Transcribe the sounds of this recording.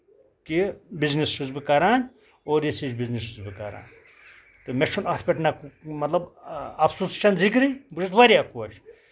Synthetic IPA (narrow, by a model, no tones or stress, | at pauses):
kibiznisʃuzbɨkɐɾaːn | oːɾjesit͡ʃbiznisuzbɨkɐ̰ɾa̰ːn | t̪ɨmeʃʰunat̪ʰpʲeʈnɐkumɐt̪lɐbɐbsust͡ʃʰɐnzikɾibut͡ʃʰɐt̪ʋɐɾijakuɐʃ